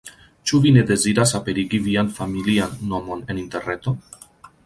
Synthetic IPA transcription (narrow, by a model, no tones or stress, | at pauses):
t͡ʃuβineðeziɾasapeɾiɣiβianfamilianːomonenint̪ernet̪o